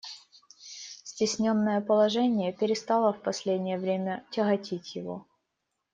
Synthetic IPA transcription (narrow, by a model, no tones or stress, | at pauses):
sʲtʲɪsʲnʲonːəjəpəlˠɐʐɛnʲɪjəpʲɪɾʲɪst̪ɑlˠəfpɐsʲlʲedʲnʲɪjəvɾʲemʲətʲɪɣɐtʲʰitʲjɪvo̰